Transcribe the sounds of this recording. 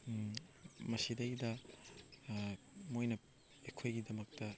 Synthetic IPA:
mɐsidɐɡidɐ | mojnɐ | ekʰojɡidɐmɐk̚tɐ

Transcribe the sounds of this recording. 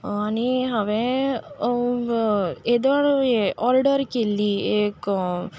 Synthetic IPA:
aniɦaʋe | ed̪aɽeʔɔɾɖəɾkelːieːk

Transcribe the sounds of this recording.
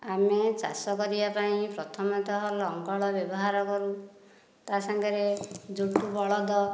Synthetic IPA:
amet͡ʃa̰sɔkɔɾibapaĩpɾɔt̪ʰɔmɔt̪ɔɦɔlɔŋɡɔɭɔbjɔbɔɦaɾɔkɔɾu | t̪asaŋɡaɾed͡ʒuʈubɔɭɔd̪ɔ

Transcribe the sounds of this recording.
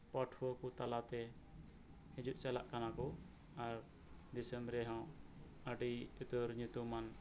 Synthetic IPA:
paʈʰwɔkut̪alat̪ɛ | hɛ̃d͡ʒuʔ̪̚t͡ʃalaʔkanakɔ | aɾ | d̪isɛmbɾɛɦãw | əɖiut̪əɾɲut̪uman

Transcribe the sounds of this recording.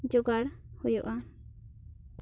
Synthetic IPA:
d͡ʒɔɡaɽhujɔʔa

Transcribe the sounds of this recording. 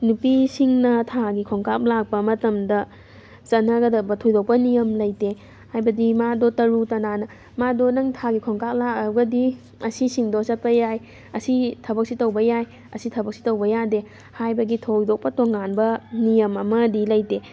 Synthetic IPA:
nupisiŋnɐtʰaɡikʰoŋkak̚lak̚pɐmɐtɐmdɐ | sɐnɐɡɐdɐbɐtʰojdok̚pɐnijɐmlɐjte | hajbɐdimadotɐɾutɐnanɐ | madonɐŋtʰaɡikʰoŋkak̚lakɐɡɐdi | ɐsisiŋdosɐt̚pɐjaj | ɐsitʰɐbɐk̚sitɐwbɐjaj | ɐsitʰɐbɐk̚si̥tɐwbɐjade | hajbɐɡitʰojdok̚pɐtoŋanbɐnijɐmɐmɐdilɐjte

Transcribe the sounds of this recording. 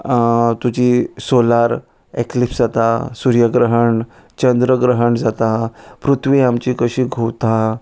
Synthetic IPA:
t̪ud͡ʑiːsolaɾ | eklipsd͡zat̪asuɾjəɡɾəɦəɳ | t͡ɕənd̪ɾəɡɾəɦəɳd͡zat̪apɾut̪ʰʋiamt͡ɕiːkəɕiːɡʱowt̪a

